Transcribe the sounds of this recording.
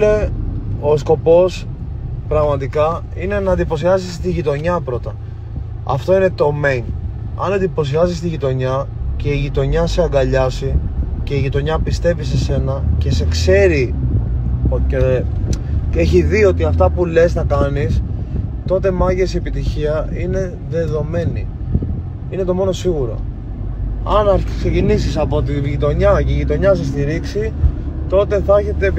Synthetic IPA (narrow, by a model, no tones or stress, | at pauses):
le | o̞sko̞po̞s | pɾɐɣmɐt̪ikɐ | ine̞nɐːnd̪ipo̞siɐsist̪iʝit̪o̞ɲɐpɾo̞t̪ɐ | ɐ̰ft̪o̞ine̞t̪o̞me̞jn | ɐ̰nend̪ipo̞s̬iɐsis̬t̪iʝit̪o̞ɲɐce̞iʝit̪o̞ɲɐseɐɡɐʎɐsice̞iʝit̪o̞ɲɐpist̪e̞vise̞se̞nɐce̞se̞kse̞ɾi | e | e̞çiðio̞t̪iɐft̪ɐpule̞snɐkɐnist̪o̞t̪̬e̞mɐʝe̞siepit̪içiɐine̞ | ðe̞ðo̞me̞nḭ | ine̞t̪o̞mo̞no̞siɣuɾo̞̰ | ɐnɐɾksecinis̬isɐpo̞t̪̬iʝit̪o̞ɲɐʝit̪o̞ɲɐs̬est̪iɾiksit̪o̞t̪e̞θɐçe̞t̪e̞